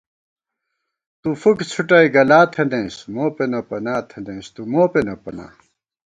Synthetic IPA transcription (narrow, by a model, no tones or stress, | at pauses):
t̪ufukt͡sʰuʈɐiɡɐlaːt̪ʰend̪ẽːsmoːpenɐpɐnaːt̪ʰend̪ẽːst̪umoːpenɐpɐna̰ː